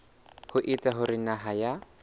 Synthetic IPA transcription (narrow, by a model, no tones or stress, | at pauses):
hʊʔit͡sʼaɦʊɾɪnaɦaja